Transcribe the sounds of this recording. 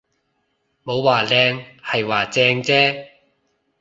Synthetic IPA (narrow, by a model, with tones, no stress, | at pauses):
mo˨˧˥wwaː˨lɛː˧ŋhɐ˨jwaː˨˩t͡sɛː˧ŋt͡sɛː˥